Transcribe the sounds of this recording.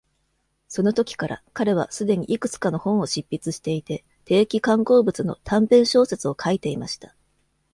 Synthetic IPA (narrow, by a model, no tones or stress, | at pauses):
so̞no̞t̪o̞kʲi̥kaɾa̰kaɾe̞β̞a̰sɨd̪e̞ɲ̟ḭʔikɯ̟t͡sɨ̥kano̞hõ̞ɰ̃o̞ɕipʲːit͡sɨɕi̥t̪e̞it̪e̞ | t̪e̞ːkʲikãŋko̞ːbɯ̟t͡sɨno̞̰t̪ʰãmpẽ̞ɰ̃ɕo̞ːset͡sɨo̞kʰait̪e̞imaɕi̥t̪ḁ